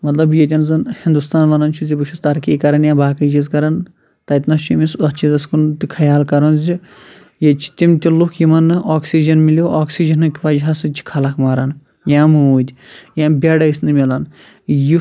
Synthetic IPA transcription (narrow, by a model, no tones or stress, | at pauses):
mɐt̪lɐbjet̪ʲɐnzɐnhind̪ust̪aːnʋɐnɐnt͡ʃʰuzibɨt͡ʃʰust̪ɐɾkikɐɾɐnjãːbaːkɐd͡ʒizkɐɾɐn | t̪ɐt̪nɐt͡ʃʰumisɐt͡ʃʰizɐskunt̪ikʰɐjaːlkɐɾɐnzi | jɐt͡ʃʰi̥t̪imt̪ʲilukʰjimɐnːɨaːksid͡ʒɐnmiljoʔaːksid͡ʒɐnɨkʲʋɐd͡ʒɦasɨt͡ʃʰi̥kʰɐlɐkmaːɾɐn | jãːmɨuːd̪ʲjãːbʲeɖɐjsnɨmʲilɐn | ji